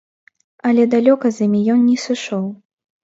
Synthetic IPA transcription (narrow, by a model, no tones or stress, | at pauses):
ɐlʲɛd̪alʲɔkɐzʲimʲijɔnnʲɛsɨʂɔw